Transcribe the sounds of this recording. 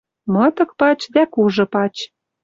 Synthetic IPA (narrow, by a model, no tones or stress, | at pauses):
mɤ̆t̪ɤ̆k̚pɑt͡ɕd̪ækuʒɤ̆pɑt͡ɕ